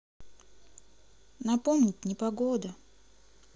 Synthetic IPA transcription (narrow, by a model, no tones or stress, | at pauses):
nɐpomnʲɪtʲnʲɪpɐɡod̪ə